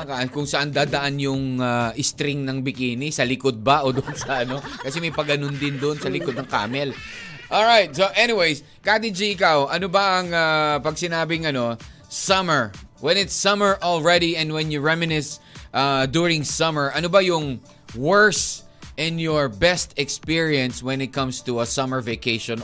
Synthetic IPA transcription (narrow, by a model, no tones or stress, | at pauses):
kakʊŋsɐʔand̪aːd̪ɐʔanjʊŋaʔɪst̪ɾɪŋnɐŋbɪkiːnɪsɐlɪkod̪̚bɐʔod̪ʊʔnsɐʔɐno̞kɐsɛmɐjpɐɡɐnond̪ɪnd̪ʊnsɐlɪkod̪̚nɐŋka̰ːmɛl | ʔolɹajt̪̚soʔɛniwejs | kat̪ɪd͡ʒiɪkawʔɐnobɐʔɐŋapɐɡsɪnaːbɪŋɐno̞sɐməɹwɛ̃nɪt̪sɐməɹʔɔlˠɹɛdiɛ̃nd̪wɛ̃njʊɹɛmɪnɪsʔad̪ʊɹɪ̃ŋsɐməɹʔɐnobɐjʊŋ | wɛɹs | ʔɛ̃njɔɹbɛst̪ɛkspiɹiɐ̃nswɛ̃nɪt̪̚kʰɐ̃mst̪uɐsɐməɹvekejʃɔ̃n